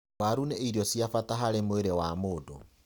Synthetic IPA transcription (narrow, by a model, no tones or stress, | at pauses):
waɾuneʔiɾjɔsjafataɦaɾemoeɾewamoːdo̰